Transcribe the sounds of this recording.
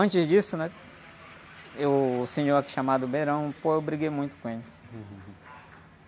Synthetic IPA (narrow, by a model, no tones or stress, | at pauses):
ɐ̃t͡ʃɪzd͡ʒisʊnɛ | ewsĩd͡ʒõaki̥ʃamad̪ʊbeɾɐ̃w̃poewbɾiɡejmũj̃t̪ʊ̥kõelɪ